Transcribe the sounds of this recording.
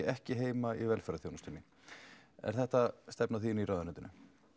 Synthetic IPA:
ɛhcɪɦeːjmaivɛlfɛɾaθjownast̪ʏnːɪ | ɛ̰ɾ̥θɛht̪ast̪ɛpnaθiːniɾaːðanʏnt̪ɪnʏ̰

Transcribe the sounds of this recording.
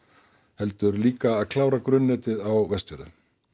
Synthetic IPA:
hɛl̪t̪ʏɾliːkaːðkʰlaːwɾakɾʏnːɛːt̪ɪðawvɛst̪vʏɾðʏ̰

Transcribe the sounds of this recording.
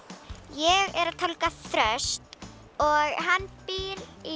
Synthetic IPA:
jɛɣɛɾat̪ʰalkaθɾœst̪ | ɔɣɦanːpiɾi

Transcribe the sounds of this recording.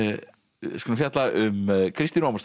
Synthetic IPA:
skʰɔnafjat̪laʔʏmkʰɾist̪inaːmst̪

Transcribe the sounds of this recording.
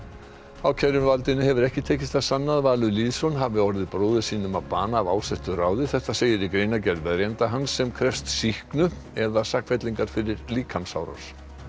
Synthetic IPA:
awcʰɛɾʏmvalt̪ɪnːɪhɛvʏɾɛhcɪt̪ʰeːcɪst̪asanːaðvaːlʏliːðsɔnɦavɪɔɾðɪðpɾoːwðɪsiːnʏmawpaːnaːvaːwsɛht̪ʏraːwðɪθɛht̪aseːjɪɾɪkɾejnacɛɾðvɛðɾjɛnt̪aɦansːɛmkʰɾɛfst̪sihknʏ | ɛðasahkfɛt̪liŋkaɾ̥fɪɾɪɾliːkʰamsa̰wɾa̰s

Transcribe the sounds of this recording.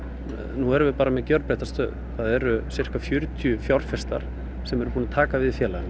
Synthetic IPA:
nuɛɾʏvɪpaːɾamɛðcœɾt̪pɾɛht̪ast̪œ̰ːðθaðɛɾʏsɪr̥kafjʏɾt̪ʰjʏfjawr̥fɛst̪a̰ɾ̥ | sɛmɛɾʏ̥puːnat̪ʰaːkavɪðfjɛːlan

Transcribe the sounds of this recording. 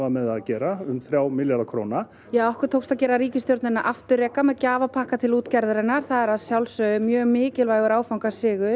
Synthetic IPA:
amɛðaðcɛːɾaʏmθɾjaːwmɪljalakʰɾoːwna | jaːɔhkʏɾ̥t̪ʰowkst̪aðcɛːɾaɾiːcɪst̪jowɾt̪nɪnaʔaft̪ʏrɛːkamɛðcaːvapʰahkat̪ʰɪluːt̪cɛɾðɾɛnaɾ̥θaðɛɾaðsjawlsœʏmjœːmɪːcɪlvaːjɣʏɾaːwfawŋkasɪːɣʏ̥

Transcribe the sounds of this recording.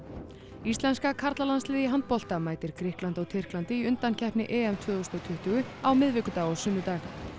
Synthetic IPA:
ist̪lɛnskakʰaɾt̪lalanslɪːðɪɦant̪̚pɔl̥t̪amaːjt̪ɪɾ̥kɾɪhklant̪ɔwt̪ʰɪr̥klant̪ɪiʏnt̪ancʰɛhpnɪʔɛːɛmt̪ʰvœːðost̪ɔwt̪ʰʏht̪ʏɣʏawmɪðvɪːkʏt̪aːɣɔsʏnːʏt̪ax

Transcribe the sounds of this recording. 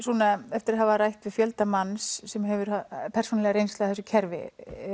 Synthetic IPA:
sɔːnaɛft̪ɪɾaðɦavaɾajht̪vɪðfjœlt̪amansːɛmɦɛvʏɾapʰɛrsuːnalɛɣaɾejnst̪laaθɛsʏcʰɛɾvɪ̰

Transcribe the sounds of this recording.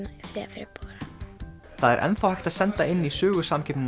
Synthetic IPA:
naiθɾɛafɪɾɪpoɾa | θaðɛ̰ɾʔɛ̰nθawhajxt̪aðsɛnt̪aɪnːisœːɣʏsamcʰɪpnɪn

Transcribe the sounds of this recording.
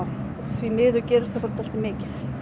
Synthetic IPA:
θvimɪːðʏcɛːɾɪst̪θafɔɾt̪ʰalt̪ɪmɪːcɪθ

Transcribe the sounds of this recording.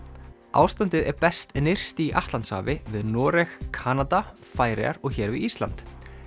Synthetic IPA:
ʔa̰ːwst̪ant̪ɪðɛɾpɛst̪nɪr̥st̪iʔaht̪lant̪sha̰ːvɪvɪðnɔːɾɛxkʰaːnat̪afaːjɾɛ̰a̰ɾɔɣçɛːɾvɪist̪la̰nt̪

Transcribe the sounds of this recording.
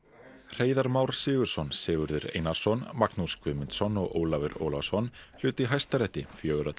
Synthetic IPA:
r̥eːjðaɾmawɾ̥sɪːɣʏɾ̥sɔnsɪːɣʏɾðʏɾḛːjnḁsɔnmaknuskvʏmɪnt̪sɔnɔɣo̰ːwlavɪɾo̰ːwlasɔnl̥ʏːt̪ɪɦajst̪aɾɛht̪ːɪfjœːɣʏɾat̪

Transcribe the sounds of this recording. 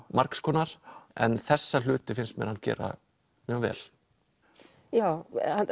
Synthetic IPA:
maɾkskʰɔːnaɾ̥ɛnθɛsːal̥ʏːt̪ɪfɪnst̪mɛ̰ɾhancɛ̰ːɾa̰ | mjœːɣvɛ̰ːl | jaːwa

